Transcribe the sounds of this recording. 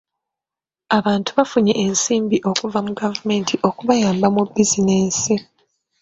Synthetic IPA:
aβaːntu̥βafuɲeʔensiːmbiʔo̞kuvamuɡavume̞ːntʰiʔo̞kuβajaːmbamubːizineːsi

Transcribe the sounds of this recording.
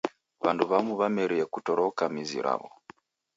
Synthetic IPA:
βanduβamuβamɛɾiɛkutɔɾɔkamizḭɾʔa̰βɔ

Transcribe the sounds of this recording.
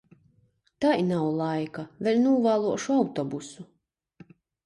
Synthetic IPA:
t̪ajnawlˠajkavʲɛlʲnuːvaːlˠuɔʃuawt̪ɔbusu

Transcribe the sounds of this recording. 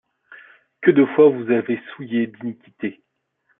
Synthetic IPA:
kəd̪əfwavuzavesujed̪inikʲi̥t̪e

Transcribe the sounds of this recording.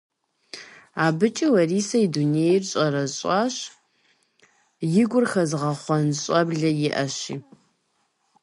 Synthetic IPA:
aːbɨt͡ʃʼɐwɐriːsɐidunejrɕʼɐɾɐɕʼɑːɕ | jɪɡʷʊrxɐzʁɐχʷɔnɕʼɐbɮɐjɪʔɐɕiː

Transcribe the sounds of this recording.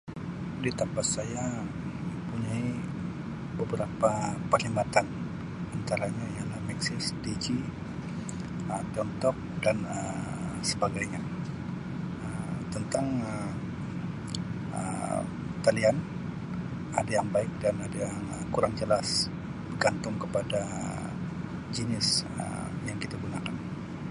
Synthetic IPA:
dit̪ampat̪saja | əmpuɲai | bəbəɾapapərlimat̪an | ant̪aɾaɲajaŋlamɛksɪsdid͡ʒi | əmt̪iɔnt̪ɔk̚danəm | səbaɡajɲa | əmt̪ənt̪aŋə | ə̰ | t̪alian | adajaŋbaɪk̚danadajaŋəkuɾaŋd͡ʒəlas | bərɡant̪ʊŋkəpada | d͡ʒənɪsə̰ | jaŋkit̪aɡunakan

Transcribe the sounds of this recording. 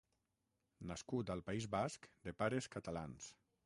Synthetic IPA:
naskut̪alˠpaizβaskd̪epaɾeskat̪alans

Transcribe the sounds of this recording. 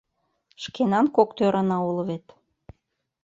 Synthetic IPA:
ʃkenɑnkokt̪øɾɑnɑulɤ̆βet̪

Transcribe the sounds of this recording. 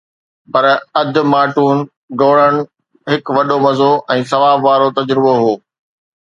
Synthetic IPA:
pɐɾɐd̪ʊ̆maːʈuːn | ɡoːɽəɽ̃̆ | ɦɪkʋɐɗomɐzoʔɛ̃ːsɐʋaːbʋaːɾot̪ɐd͡ʑɾɪboɦoː

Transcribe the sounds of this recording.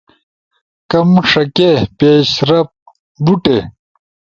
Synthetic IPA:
kɐmʂɐkepeːɕɾɐp̚ | buʈe

